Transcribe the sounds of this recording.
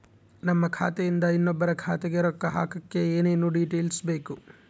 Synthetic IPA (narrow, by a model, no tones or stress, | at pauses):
nɐmːɐkʰa̰ːt̪ɛjind̪ɐinːɔbːɐɾɐkʰaːt̪ɛɡeɾɔkːɐɦa̰ːkɐkːe̞eːne̞ːnːuːɖiːʈeːlsbe̞ːku